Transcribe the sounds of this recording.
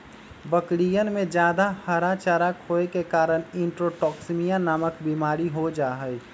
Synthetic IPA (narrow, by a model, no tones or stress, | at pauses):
bəkɽijənmẽd͡ʒjaːd̪ahəɾat͡ʃəɾakʰɦoːekekaːɾənɪ̃ɳʈɾoʈɔːksmijanaməkbimaːɾiɦod͡ʒaːɦəɛ